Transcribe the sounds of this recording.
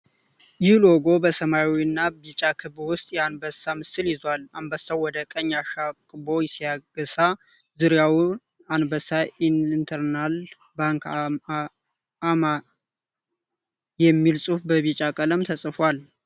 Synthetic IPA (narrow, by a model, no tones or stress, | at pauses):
jɪhloɡo̞bəsəmawiɨnːabit͡ʃʼakʰɨβwʊst̪ʼjɛanbəsamɨsɨljɪzwalanbəsawwɔd̪əkʼəɲːaʃakʼbo̞jɛsijaɡəsa | zɨɾjaw | anbəsainnt̪ʰəɾnal | baŋk | ama | jɛmːilsʼufbəβit͡ʃʼakʼələmt̪ʰəsʼfwal